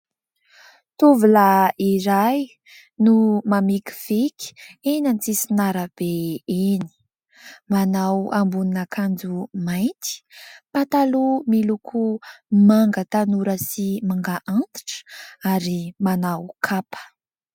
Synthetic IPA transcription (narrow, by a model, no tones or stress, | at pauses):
t̪uvulaiɾaj | numamikʲi̥v̥ikʲi̥enant͡sisinaɾəb̥eeni̥ | manawambuninakʰand͡zumajnt̪i̥pat̪alumilukʰumaŋɡət̪anuɾəsimaŋɡaʔant̪i̥ʈ͡ʂaɾimanawkʰapə̥